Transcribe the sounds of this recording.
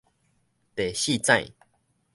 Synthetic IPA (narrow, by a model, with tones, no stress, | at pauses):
t̪e˨˩ɕi˥˧˨t͡sã˥˧j